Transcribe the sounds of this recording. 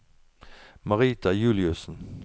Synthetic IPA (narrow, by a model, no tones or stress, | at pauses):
maɾiːt̪ajʉlɪɵsən